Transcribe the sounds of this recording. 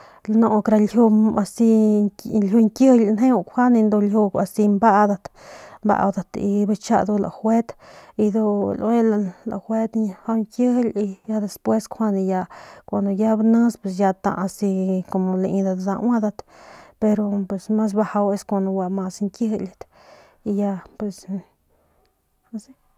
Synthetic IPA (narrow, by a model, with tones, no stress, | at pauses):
la˧no˧kɾa˧lhju˧a˧si˧ | lju˧ŋkjə˦hlne˦u˧kʷha˦nĩ˧nd̪o˧lju˧a˧si˧mba˦ʔd̪a˧t̪mba̰˧wd̪a˧t̪ḭ˧ba˧t͡ʃa̰˦˧d̪u˧la̰˨xwe˦t̪i˧d̪o˧lʔe˦lala̰˨xʷe˦t̪ha˧ŋkjə˦hli˧ja˧d̪e˧spwe˦skʰʷha˦˧nĩ˧ja˧kʷa˨nd̪o˧ja˦bnã˦spwe˧s̬ja˧t̪ã̰˧ʔa˧si˧ko˧mo˧le˧ĩ˧d̪a˧d̪a̰˧wã˦d̪a˧t̪pe˧ɾo˧pwe˨sma˦s̬ba˧ha˧we˧skʷa˧nd̪o˧wa˧ma˧sŋkjə˦hi˧lʲa˧t̪ | i˧ja˧pwe˨s | a˧si˦